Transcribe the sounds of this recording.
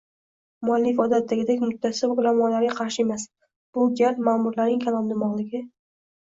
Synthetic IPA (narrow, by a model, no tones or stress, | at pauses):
mʊalːɪfɒd̪at̪ʰːaɡʲɪd̪akʲmʊt̪ʰːasɪbʊlamɒnlaɾɡʲaqʰɑɾʃɪe̞mas | b̥ʊɡʲamaːmʊɾlaɾnɪŋkʲʰalˠɒnd̪ɪmɒʁlˠɪɡʲɪ